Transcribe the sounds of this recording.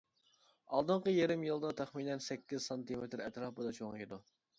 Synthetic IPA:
ɑlˠd̪ɨɴqəjeɾɪmjɨlˠd̪ɑt̪ʰɛχminɛnsɛkʲːɪz̥sɑnt̪imet̪ɾɛt̪ɾɑːpɨd̪ɑt͡ʃʰoŋjɨd̪u

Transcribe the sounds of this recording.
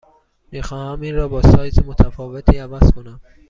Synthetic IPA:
mixɒːhæmiːnɾɒːbɒːsɒːjzemot̪ʰæfɒːve̞t̪ʰiːævæz̥kʰo̞næm

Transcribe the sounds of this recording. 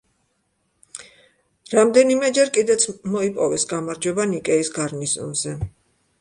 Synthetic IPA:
ɾamd̪ɛnimɛd͡ʒɛɾkʼid̪ɛt̪sʰmɔipʼɔvɛsɡamaɾd͡ʒwɛbanikʼɛisɡaɾnizṵmzɛ

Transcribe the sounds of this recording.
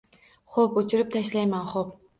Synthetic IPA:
χopʊt͡ʃʰɪɾɪp̚t̪ʰaʃlajmanχop̚

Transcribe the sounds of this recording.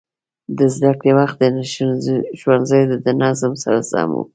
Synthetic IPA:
d̪əzd̪akɽewaxt̪̚d̪ən | ʃwanzajod̪əd̪ənazɪmsa̰ɾasa̰mṵ

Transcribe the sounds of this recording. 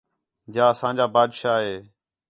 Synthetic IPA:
d͡ʒaːəsãːd͡ʑaːbaːd̪ʃaːɦeː

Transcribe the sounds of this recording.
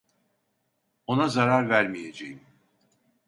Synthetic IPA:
o̞nazaɾaɾvæɾmije̞d͡ʒejim

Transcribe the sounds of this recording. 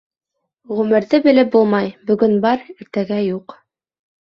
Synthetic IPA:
ʁɵmɘ̆ɾðɘbɘ̆lɘp̚bulˠmɑjbɵ̆ɡɵnbɑɾɘ̆ɾt̪æɡæjuq

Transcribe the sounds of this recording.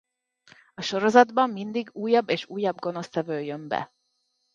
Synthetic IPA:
ɒʃo̞ɾo̞zɒd̪bɒmːind̪iɡuːjːɒbːeːʃuːjːɒbɡo̞no̞st̪ɛvøːjømbɛ̰

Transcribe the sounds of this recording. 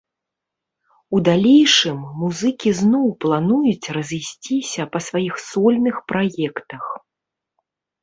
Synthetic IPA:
ud̪alʲejʂɨmːuzɨkʲiznɔwplˠanujut͡sʲrɐzʲisʲt͡sʲisʲɐpɐsvajixsɔlʲnɨxpɾajɛkt̪ɐx

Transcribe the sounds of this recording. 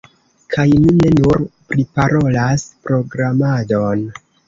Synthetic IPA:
kʰajmine̞nuɾpɾipaɾo̞laspɾo̞ɡɾamado̞n

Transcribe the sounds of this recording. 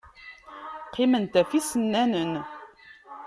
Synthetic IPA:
qːimənt̪æfisənːænən

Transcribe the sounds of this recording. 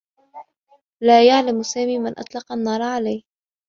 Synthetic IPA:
laːjaʕlamsaːmiːmɪnʔɑ̰t̪ˤlɑqanːɑːɾˤʕalajh

